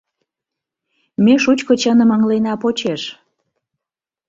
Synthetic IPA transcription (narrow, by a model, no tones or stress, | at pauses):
meʃut͡ɕkot͡ɕənə̆məŋlenɑpot͡ɕeʃ